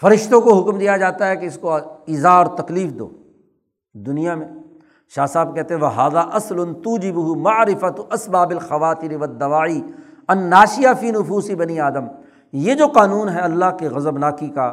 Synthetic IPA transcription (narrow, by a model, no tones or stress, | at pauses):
fɐɾɪʃt̪õkoɦʊkmd̪ijad͡ʒaːt̪aɦɛkeɪskoiːzaːɔːɾt̪ɐkliːfd̪o̰ː | d̪ʊnijamẽː | ʃaːsaːb̚kɛɦt̪ẽɦɛ̃ʋɐɦaːðaːʔɐslʊnt̪uːd͡ʒɪbʊɦʊmɐʕɾɪfɐt̪ɐsbaːbɪlxɐʋaːt̪ɪɾɪʋɐd̪ːɐʋaːiɐnːaːʃɪjafiːnʊfuːsɪbɐniaːd̪əm | jed͡ʒoːqaːnuːnɦɛɐlːaɦkiɣɐzəbnaːkika